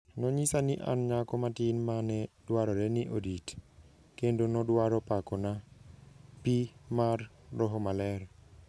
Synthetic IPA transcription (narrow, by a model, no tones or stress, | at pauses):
nɔɲisanɪʔa̰nɲakɔmatinmanɛdwaɾɔɾɛniʔodit | kendonɔdwaɾɔpakɔna | pimarː | ɔɦɔmalɛr